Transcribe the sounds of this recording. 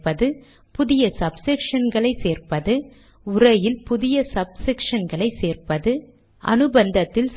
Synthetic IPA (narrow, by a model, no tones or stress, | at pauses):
pɐðɯ | pʊðɪjɐsɐbsɪkʂɐnɡɐɭɐɪseːrpɐðɯ | ʊrɐjɪlpʊðɪjɐsɐb̚sɪkʂɐnɡɐɭɐɪseːrpɐðɯ | ʔɐ̰nɯbɐnd̪ɐt̪ːɪls